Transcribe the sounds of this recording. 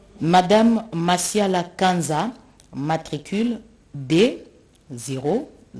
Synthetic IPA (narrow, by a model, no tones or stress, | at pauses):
madamːasjalakãnza | matʁikʰyl | de | zeʁo